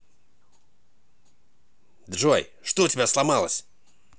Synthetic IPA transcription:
d̪ʐɔj | ʂt̪ɔtʲɪbʲaslˠamalˠɐsʲ

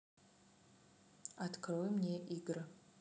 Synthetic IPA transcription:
atkʰrojmnʲeʔiɡɨrɨ

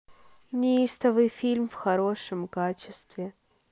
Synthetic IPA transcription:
nʲɪist̪əvɨjfʲilʲmfxɐɾo̞ʂəmkat͡ɕɪst̪vʲɪ

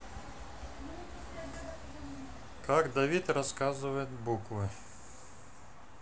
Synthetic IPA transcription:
kɑɡd̪ɐʋʲit̪rɐskɑzʊʋɐjet̪ʲbukʋɪ

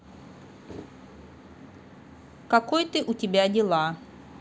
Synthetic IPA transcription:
kɐkojt̪ɨʔʊtʲɪbʲadʲɪlˠa

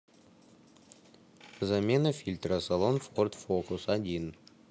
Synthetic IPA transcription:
zamʲenəfʲilʲt̪rəsalˠonfort̪fokusad̪ʲin

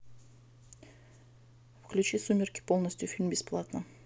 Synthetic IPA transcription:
fklʲut͡ʃisumʲɪrʲkʲɪ̥polˠnɐsʲt̪ʲufʲilʲmbʲɪsplˠat̪nə

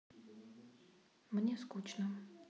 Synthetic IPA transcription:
mnʲeskut͡ɕnə

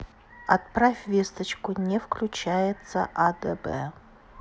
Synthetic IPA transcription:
at̪prafʲvʲest̪ɐt͡ʃkʊnʲɛfklʲut͡ʃajɛt̪sə̰ʔad̪ɛbɛ̰

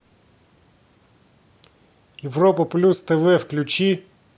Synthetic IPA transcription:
jeʋɾɔpɐplʲust̪ɛʋɛwklʲʊt͡ʃi

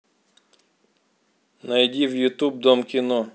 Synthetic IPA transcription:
nɐjdʲiwjʊt̪ub̚d̪ɔmkʲinɔ

